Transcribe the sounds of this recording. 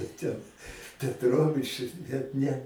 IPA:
tʲɛn pʲɛtˈroːʋʲɪt͡ʃ bʲɛt ˈnʲɛ

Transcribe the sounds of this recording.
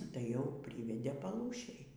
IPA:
tɐɪ jɛʊ ˈpʲrʲiːʋʲɛdʲeː pɐˈlˠuːʃʲeːj

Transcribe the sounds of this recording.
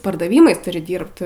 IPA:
pɐrdɐˈʋʲiːmɐɪs ˈtʊrʲɪ ˈdʲiːrpt

